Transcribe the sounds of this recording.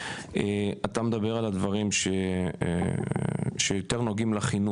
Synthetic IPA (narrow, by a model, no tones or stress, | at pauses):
eat̪amed̪abe̞ʁalad̪vaʁimʃe | ʃejot̪eʁnoɡimlaχinu